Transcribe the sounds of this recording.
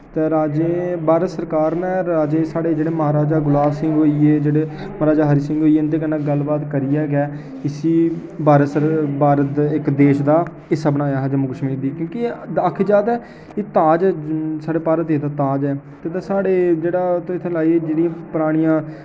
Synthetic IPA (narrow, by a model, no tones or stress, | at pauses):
t̪eːɾaːd͡ʒeːbaːɾət̪səɾkaːɾnẽːɾaːd͡ʒeːsaːɽeːd͡ʒeːɽeːməɦaːɾaːd͡ʒaːɡʊlaːbsɪ̃ŋɡɦoːieːd͡ʒeːɽeː | mɾaːd͡ʒaːɦəɾiːsɪ̃ŋɡɦoːiːeːʊnd̪eːkənːãːɡəlbaːt̪kəɾɪːjɛːɡɛː | ɪsiː | baːɾət̪səbaːɾət̪ɪkd̪eːʃd̪aː | ɪsəbənaːjaːɦd͡ʒəmʊɡʃmĩːd̪iːkjõːkiakʰid͡ʒaːd̪ɛː | eːt̪aːd͡ʒɛːsaːɽeːpaːɾət̪ːeːt̪aːt̪aːd͡ʒɛː | t̪eːt̪ẽːsaːɽeːd͡ʒeːɽaːt̪ːɪt̪ʰːeːlaːieːd͡ʒeːɽijãːpəɾaːɽ̃ijãː